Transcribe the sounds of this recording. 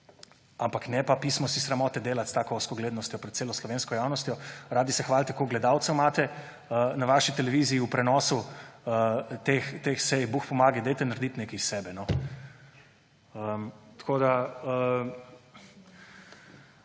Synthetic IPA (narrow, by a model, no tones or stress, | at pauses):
ampaknɛpapismɔsisɾamɔːt̪ɛd̪eːlat̪st̪aːkɔɔskɔɡleːd̪nɔst̪jɔpɾɛt̪̚seːlɔslɔʋeːnskɔjawnɔst̪ʲjɔɾaːd̪isɛxʋaːlt̪ɛkoɡlɛd̪awt̪sɛmaːt̪ɛ | ənaʋaʃit̪ɛlɛʋiziːupɾɛnɔːsuət̪ext̪exsɛjbuxpɔmaːɡɛd̪ɛjt̪ɛnaɾd̪it̪nekɛsɛːbɛnɔ | əmt̪kʰoːd̪aə